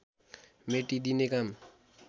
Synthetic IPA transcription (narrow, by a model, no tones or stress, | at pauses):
meʈid̪inekam